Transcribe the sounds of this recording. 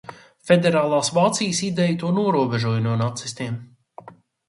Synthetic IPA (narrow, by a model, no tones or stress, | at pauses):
fed̪eɾaːlˠaːsvaːt̪sijsid̪ɛjt̪uɔnuɔɾuɔbeʒuɔjnuɔnat̪sist̪iɛm